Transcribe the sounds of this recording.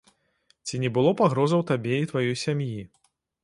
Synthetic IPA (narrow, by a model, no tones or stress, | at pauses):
t͡sʲinʲɛbɨlˠɔpaɣɾɔzɐwt̪abʲeit̪vajɔjsʲamji